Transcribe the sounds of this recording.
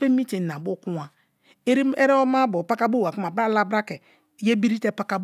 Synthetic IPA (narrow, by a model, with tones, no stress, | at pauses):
e˦mi˦te˨na˨bo˦ku˦a˨ | e˦ɾi˦e˦ɾe˦ɔ˦ma˦bo˨pa˦ka˦bo˦˨a˨ku˦ma˨bɾa˦la˦bɾa˦ke˨ | je˦bi˦ɾi˦te˦pa˦ka˦b